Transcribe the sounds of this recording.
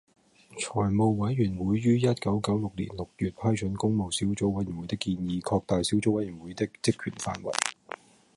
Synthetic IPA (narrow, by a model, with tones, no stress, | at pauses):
t͡ʃʰɔː˨˩jmo˨˧wwɐ˨˥jɥyː˨˩nwuː˨˥jːyː˥jɐ˥t̚kɐ˨˥wkɐ˨˥wlʊ˨k̚lḭ˨˩nlʊ˨k̚jyː˨t̚pʰɐː˥jt͡ʃʰɵ˨˥nkʊ˥ŋmo˨wsiː˨˥wt͡so˨˧˥wɐ˨˥ji˨˩nwu˨˦jt̪ɪ˥kːiː˧njiː˨˧kʰɔː˧k̚t̪aː˨jsi˨˥wt͡so˨˥wɐ˨˥jyː˨˩nwuː˨˧˥jt̪ɪ˥k̚t͡sɪ˥kʰːy̰ː˨˩nfa̰ː˧nwɐ̰˨˩j